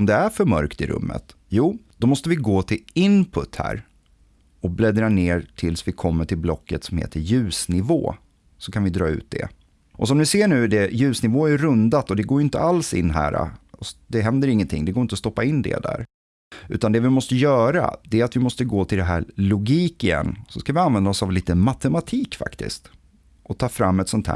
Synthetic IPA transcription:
md̪ɛæɾfœɾmœ̰ɾkt̪ɪɾʔɵ̰mːə̰t̪ | juːd̪ɔmɔst̪əvɪɡoːt̪ʰɪlɪnpʰɵt̪ːhæ̰ːɾ | ɔblɛd̪ɾaneːɾʈʰɪlsvɪkʰɔmːəʈʰɪlblɔkːət̪sɔmhḛːt̪ʰəɾjʉ̟ːsnɪvo̰ː | sɔkʰanvɪd̪ɾɑ̰ːʉ̟̰ːt̪̚d̪ɛ̰ | ʔɔsɔmd̪ɪseːɳʉ̟ːd̪ɛjʉ̟ːsnɪvoːæɾɵnd̪at̪ɔd̪ɛɡoːjɪnt̪ə̰alsɪ̰nːɦæ̰ːɾa̰ɔsd̪ɛɦɛnd̪əɾɪŋːənt̪ʰɪ̰ŋːd̪ɛɡoːɾɪnt̪ɔst̪ɔpːaɪnːd̪ɛ̰d̪æ̰ːɾ | ʉ̟ːt̪and̪ɛvɪmɔst̪əjœːɾa̰d̪̥ɛæɾat̪vɪmɔst̪əɡoːt̪ʰɪld̪ɛɦæ̰ːɾlʊɡiːkɪjɛ̰nːsɔskavɪanvɛnd̪aɔsavliːt̪əmat̪ɛmat̪ʰiːkfa̰kt̪ɪ̰st̪ | ʔɔt̪ʰɑːfɾamːɛt̪sɔnt̪ʰhæ̰ː

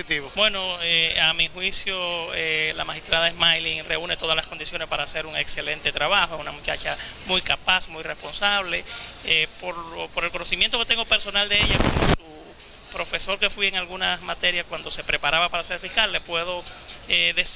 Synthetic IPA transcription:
it̪iβobwe̞noeamihwisjoela̰maxist̪ɾaðaesmajliŋre̞une̞t̪o̞ðaslasko̞nd̪isjo̞nespaɾaːse̞ɾuŋekse̞le̞nt̪e̞t̪ɾaβaxoesunamut͡ʃa̰t͡ʃamujkapasmujre̞spo̞nsaβleepoɾopo̞ɾe̞lkono̞simjent̪oke̞t̪e̞ŋɡope̞ɾso̞nald̪e̞eʝako̰mosu | pɾo̞fe̞so̞ɾke̞fwie̞ŋalɣunasmat̪e̞ɾjaskwand̪o̞se̞pɾe̞paɾaβapaɾase̞ɾfihkalːepwe̞ðo̞eðes

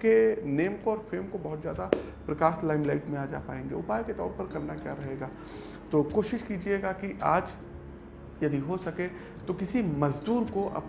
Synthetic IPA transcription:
keneːmkoɔːɾfeːmkobɐɦʊt̪zja̰ːd̪a | pɾɐkaːslaːɪmlaɪʈmẽaːd͡ʒaːpaːẽːŋɡḛʊpaːjket̪ɔ̰ːɾpɐɾkɐɾnakjaɾɐɦeːɡaː | t̪oːkoːʃɪʃkiːd͡ʒieɡakiʔaːd͡ʒ | jɐd̪iɦosɐke | t̪okɪsimɐzd̪uːɾkoʔɐ̰p

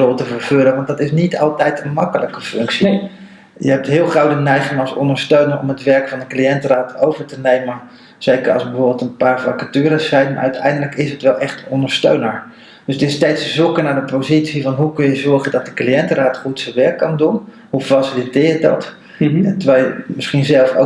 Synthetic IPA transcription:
olˠtəvərɹvøləʋɑntdɑtɪsnitɑlˠtɛjtənmɑkələkəfʏŋksi | jəɦɛp̚tɦɪːlˠχrowdənɛjχɪŋɑlˠsɔ̰ndəɹstøɥnəɹʔɔ̰mətʋɛɹkfɑndəklijɛntəraːtowvəɹtənejmən | z̥ejkərɑ̰lˠsbəvoːbɪlˠtənpaːɹfakatyːɾəsɛjnma̰ʔœ̰ɥtʰɛjndələkɪsɦətʋɛlˠʔɛχtənɔndəɹstø̰ɥnəɹ | d̥østɪstejtszukənaːɹdəpowzitsivɑnɦukɵnjəzɔɹχədɔt̚dəkliɛntəraːtχutsəʋɛɹkːɑndun | ufrɑsritɪːjət̚dɑ̰t | ɛtəʋɛjmɪsχinzɛlˠfo̰

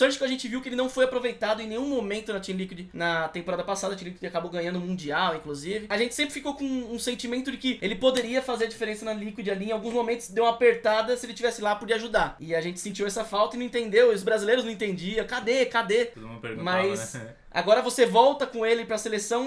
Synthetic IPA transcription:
ɐ̃ɾt͡ʃɪ̥kɪɐʒẽnt͡ʃɪviwkɪelɪnɐ̃w̃fojapɾovejt̪ad̪ʊẽnẽj̃ũmomẽnt̪ʊnɐt͡ʃĩlikwid͡ʒɪnɐt̪ẽpoɾad̪ɐpasad̪ɐt͡ʃĩlikwid͡ʒakaboɡɐ̃ɲɐ̃nd̪ʊ̃mũd͡ʒiawĩŋkluzivɪaʒẽnt͡ʃɪ̥sẽmpɾɪfikowkõũsẽnt͡ʃimẽnt̪ʊd͡ʒɪkɪelɪpod̪eɾiɐfazeɾɐd͡ʒifeɾẽsɐnɐlikwid͡ʒɪaliẽawɡũzmomẽnt̪ʊsd̪ewumɐapeɾt̪ad̪ɐsɪelɪt͡ʃivɛsɪlapɔd͡ʒiaʒud̪aɾɪaʒẽnt͡ʃɪ̥sẽnt͡ʃiwɛsɐfawt̪ɐɪnɐ̃ĩt̪ẽnd̪ewiʊzbɾazilejɾʊznɐ̃ẽt̪ẽnd͡ʒiɐ̃kad̪ekad̪ẽpḛɾɡ̃mɐss | a̰ɡɔɾɐvosevɔwt̪ɐkõelɪpɾɐselesɐ̃w̃

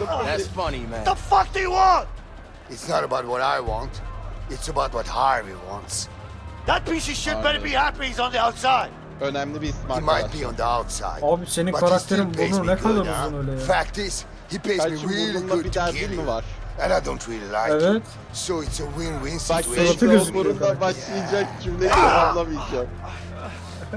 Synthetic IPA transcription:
smʌnimæ̃ðəfʌk̚ðewɔ̃nt | ɪtsnəɾəbaʊt̚wɔɾaɪwɑ̃ntɪtsəbaʊt̚wɔthaɹmḭwɑ̰̃nts | ðət̚mĩnsiʃʊdbɛɾəbihæpiz̃n̩ðiaʊtsaɪd̥̚ | ənæmlebismamaj̚biə̃nðiaʊtsa̰ɪabseninʌkʰaɾakt̪eɾimbununɛkʰalˠisunøːlɛfæk̚tɪz̥ | hipʰeɪbæɾiiulunlˠabit̪ʰæɾimivaɾ̥ɨ̃naɪdõʊ̃ntʰɹilˠila̰evɛt̪ | soʊɪtsəwɪ̃nwɪ̃nsbækat̪ʰɯɡobuɾunabaʃlˠijd͡ʒakcʰimleijazablˠamijd͡ʒam

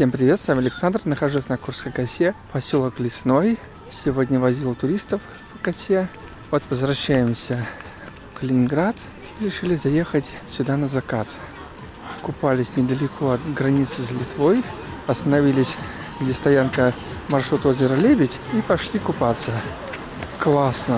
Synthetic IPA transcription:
sʲe̞mpɾʲɪvʲet̪st̪vʲəmɐlʲɪksand̪rnəxɐʐusʲnɐkurskəjkɐsʲepɐsʲolˠəklʲɪsno̞j | sʲɪvo̞dʲnʲəvɐzʲilˠt̪ʊɾʲist̪əf | pəkɐsʲe | vot̪vəzvɾɐɕːæjɪmsʲə | fkəlʲɪnʲɪnɡɾat̪ | iɾʲɪʂɨlʲɪzɐje̞xətʲsʲʊd̪anəzɐkat̪ | kʊpalʲɪsʲnʲɪd̪əlʲɪkʰoɐt̪ɡɾɐnʲit̪sɨzlʲɪt̪voj | ɐst̪ənɐvʲilʲɪsʲɡdʲest̪ɐjankə | mɐrʂɾut̪ozʲɪɾəlʲebʲɪtʲipɐʂlʲikʊpat̪sə | klˠasnə

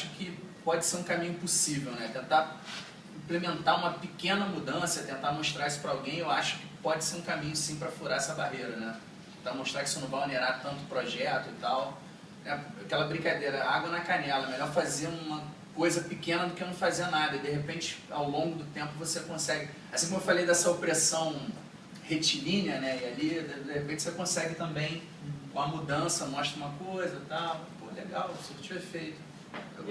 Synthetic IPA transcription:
aʃʊ̥kɪ | pɔd͡ʒɪseɾũkamĩɲʊpusivewnɛt̪ẽnt̪a | ĩplemẽnt̪aũmɐpɪkẽnɐmud̪ɐ̃sɐt̪ẽnt̪amoʃt̪ɾaɾisʊ̥pɾɐawɡẽj̃ewaʃʊ̥kɪ̥pɔd͡ʒɪseɾũkamĩɲʊsĩpɾɐfuɾaɛsɐbaɦejɾɐnɛtt̪eẽnt̪amoʃt̪ɾakɪsʊnɐ̃w̃vajɐneɾaɾt̪ɐ̃nt̪ʊpɾoʒɛt̪ʊɪt̪aw | nɛakɛlɐbɾĩkad̪eɾɐaɡwɐnɐkanɛlɐɛmeʎɔɾfaziɐũmɐ | kojzɐpikẽnɐd̪ʊkɪnɐ̃w̃faziɐnad̪ɐɪid̪eɦepẽnt͡ʃɪ̥a̰wlõɡʊd̪ʊt̪ẽmpʊvosekõsɛɡɪ | asĩkomewfalejd̪ɛsɐopɾesɐ̃w̃ | het͡ʃilĩnɐnɛialid̪ehepẽt͡ʃɪsekõsɛɡɪt̪ɐ̃mbẽj̃ | ũmɐmud̪ɐ̃sɐmɔʃt̪ɾɐũmɐkojzɐt̪awpoleɡawsot͡ʃĩvɛfejt̪ʊ̥

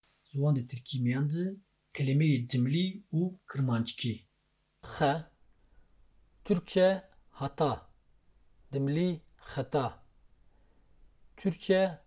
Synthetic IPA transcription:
zuwɑːnd̪et̪ʰɨɾkʰimijɑːnd̪ɨ | kʰɛlemejed̪ɨmliuːkʰɨɾmɑːnt͡ʃkʰi | xɛ | t̪ʰyɾkʰɛ | hɑt̪ɑ | d̪̥ɨmli | xɛt̪ɑ | t̪ʰyɾkʰiɛ

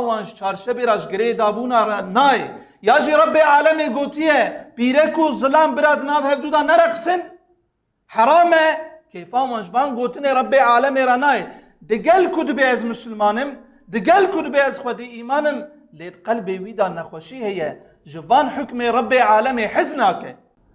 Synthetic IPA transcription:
wɑːnʒt͡ʃʰɑːɾʃɛbeːɾɑːʒɡɨɾeeːd̪ɑːbuːnɑːɾnɑːje | jɑːʒiːɾˤɑbːeːʕaːlɛmeːɡoːt̪ɨjɛpiːɾɛkʊzɨlɑːmbɨɾɑːd̪ɨnɑːvhɛɾd̪uːd̪ɑːnɛɾɛqɨ̥sɨn | ħɐɾˤɑːmɛkʰeːfɑːwɑːnʒvɑːnɡoːt̪ɨneːɾˤɑbːeːʕaːlɛmeːɾɑːnɑːje | d̪ɨɡɛlkʰʊd̪ɨbɛɛzmʊsɨlmɑːnɨm | d̪ɨɡɛlkʰʊd̪ɨbeːɛzxʷɛd̪iiːmɑːnɨm | leːd̪qɛlbeːwiːd̪ɑːnɛxʷɛʃiːhɛjɛ | ʒɨvɑːnħʊkmeːɾˤɑbːeːʕaːlɛmeːħɪznɑːkɛ

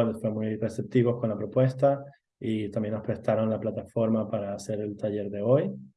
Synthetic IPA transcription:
nd̪osfemujre̞se̞p̚t̪iβo̞sko̞nlapɾo̞pwe̞st̪a | it̪ambje̞nospɾe̞st̪aɾo̞nlaplat̪afo̞ɾmapaɾaːse̞ɾe̞lt̪aʝe̞ɾðe̞o̞j

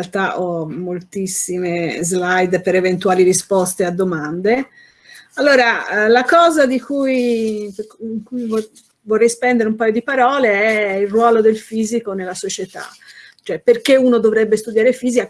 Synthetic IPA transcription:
alt̪aʔɔmːolt̪isːimezlajd̪peɾevent̪uaːliɾispɔst̪ead̪ːomand̪e | alːoːɾalakɔːzad̪ikujpːŋkujv | vorːɛjspɛnd̪eɾeumpaːjod̪ipaɾɔːleɛilrwɔːlod̪elfiːzikonelːasot͡ʃet̪a̰ | t͡ʃoɛperk̟euːnod̪ovɾɛbːest̪ud̪jaːɾefiːzika

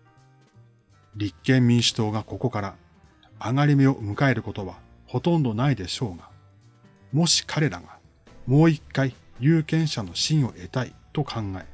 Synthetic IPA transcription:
ɾʲikːẽ̞mːʲĩɰ̃ɕi̥t̪o̞ːɡako̞ko̞kaɾa | aŋaɾʲime̞o̞mɯ̟kae̞ɾɯ̟ko̞t̪o̞βa | ho̞t̪õ̞nd̪o̞naid̪e̞ɕo̞ːɡa | mo̞ɕi̥kʰaɾe̞ɾa̰ɡa | mo̞ːikːaijɯːkẽ̞ɰ̃ɕano̞ɕĩɰ̃o̞ʔe̞t̪ait̪o̞kʰãŋɡae

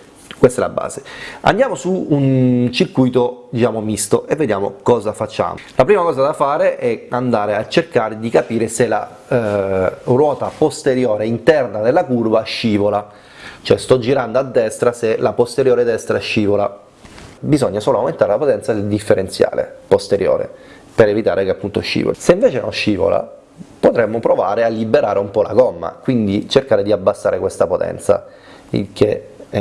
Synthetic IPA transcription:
kwest̪ɛ̰la̰bːa̰ːzea̰nd̪jaːmosuːnt͡ʃirkujt̪od̪it͡ʃaːmomist̪oʔevːed̪jaːmo̰kɔːzafat͡ʃːa̰ːmolʔapɾiːmakɔːzad̪afaːɾeʔɛand̪aːɾeat͡ʃːerkaːɾed̪ikapiːɾesela̰ | rwɔːt̪apost̪eɾjoːɾeint̪ɛrnad̪elːakurvaʃːiːvola | t͡ʃoɛst̪ɔd͡ʒːiɾand̪oad̪ːɛst̪ɾaselapost̪eɾjoːɾed̪ɛst̪ɾaɛʃːiːvola̰ | bizɔɲːasoːloawment̪aɾelapot̪ɛnt̪sad̪ɛd̪ifːeɾent̪sja̰ːlḛpost̪eɾjo̰ːɾḛ | peɾevit̪a̰ːɾʔekeapːunt̪oʃːḭːvo̰seiɱveːt͡ʃenoʃːiːvo̰la̰ | pot̪ɾemːopɾova̰ːɾealːibeɾaːɾeumpɔla̰ɡɔmːa̰kwind̪it͡ʃerkaːɾed̪iabːasːaːɾekwest̪apot̪ɛ̰nt̪sa̰ | ḭlk̟ʰeɛ

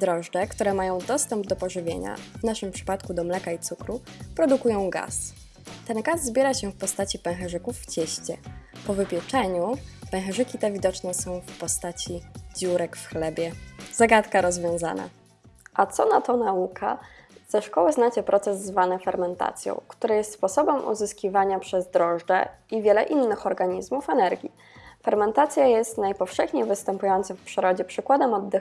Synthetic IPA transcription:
d̪ɾɔʐdɛkt̪uɾɛmajɔ̃w̃d̪ɔst̪ɛmb̚d̪ɔpɔʐɘvʲjḛɲa̰vnaʂɘmpʂɘ̥pat̪kud̪ɔmlɛkait̪sukɾupɾɔd̪ukujɔ̃w̃ɡa̰s | t̪ɛnɡazːbʲjɛɾaɕɛfpɔst̪at͡ɕipɛ̃w̃xɛʐɘkufːt͡ɕɛɕt͡ɕɛpɔvɘpʲjɛt͡ʂɛɲupɛw̃xɛʐɘkʲit̪ɛvʲid̪ɔt͡ʂnɛsɔ̃w̃fpɔst̪at͡ɕid͡ʑuɾɛkfxlɛbʲjɛz̥aɡat̪kaɾɔzvʲjɔ̃w̃za̰na̰ | ʔat̪sɔnat̪ɔnaukʰa̰ | z̥ɛʂkɔwɘznat͡ɕɛpɾʔɔt̪sɛzːvanɘfɛɾmɛnt̪a̰t̪sʲjɔ̰̃w̃kt̪uɾajɛst̪spɔsɔbɛmʔṵzɘskʲivaɲapʂɛzd̪ɾɔʐɖɛ̰ivʲjɛlɛʔinːɘxɔɾɡaɲizmufɛnɛɾɡʲḭ | fɛɾmɛnt̪at̪sʲjajɛst̪najpɔfʂɛxɲejvɘst̪ɛmpujɔnt̪sɨfpʂɘɾɔd͡ʑɛpʂɘkwad̪ɛmɔd̪ːɘx

